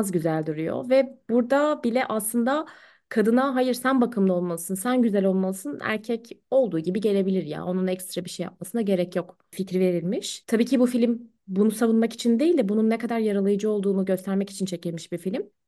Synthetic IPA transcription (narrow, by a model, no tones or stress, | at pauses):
zɟyzælʲd̪uɾyjo̰vɛb̥uɾd̪abilʲɛʔaslˠɯnd̪a | kʰad̪ɯnaɦajɯɾsænbakʰɯmlˠaolˠmalˠɯsɯnsænɟyzælʲo̞lˠmalˠɯsɯnæ̰ɾcʰɛco̞lˠd̪uːɟibiɟe̞lʲe̞bilʲiɾja̰ːʔo̞nunɛcst̪ɾabiʃejːa̰p̚masɯnaɟe̞ɾɛcjok | ficɾive̞ɾilʲmiʃt̪ʰabiːcʰibufilʲim | bunusavunmaki̥t͡ʃʰind̪ejilʲd̪ɛbununːɛkad̪aɾjaɾalˠajɯd͡ʒɯo̞lˠd̪uːnuɟø̞st̪ʰæɾmɛci̥t͡ʃʰint͡ʃʰe̞cilʲmiʃbifilʲim